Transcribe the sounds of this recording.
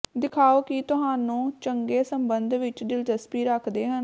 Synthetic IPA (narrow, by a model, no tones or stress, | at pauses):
d̪ɪkʰaːoːkɪt̪ʊɦaːnũːt͡ʃəŋɡeːsəmbənd̪ʋɪt͡ʃɖɪld͡ʒəspiːɾəkʰd̪eːɦən